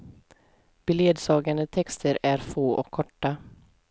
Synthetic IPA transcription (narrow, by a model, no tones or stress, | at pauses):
b̥ɪleːd̪sɑːɡand̪ət̪ʰɛkst̪ʰəɾæɾfoːʔɔ̰kʰːɔʈːa